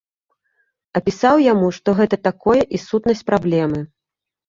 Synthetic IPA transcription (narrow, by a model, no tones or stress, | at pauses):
ɐpʲisawjamuʂt̪ɔɣɛt̪ɐt̪akɔjɛʔisut̪nɐsʲt͡sʲpɾablʲɛmɨ